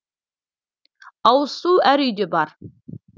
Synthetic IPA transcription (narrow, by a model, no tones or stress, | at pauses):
ɑwəsuæɾʏjd̪ebɑɾ